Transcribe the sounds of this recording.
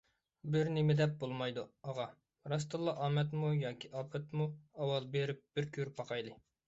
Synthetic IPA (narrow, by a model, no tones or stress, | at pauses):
bɪɾnɪmɪd̪ɛp̚bolˠmɑjd̪uɑʁɑ | ɾɑst̪ɨlˠːɑʔɑːmɛt̪mujɑːkʲʰiʔɑːpʰɛt̪muɑwɑlˠbeɾɪp̚b̥ɪɾkʲʰyɾpʰɑqʰɑjlˠɨ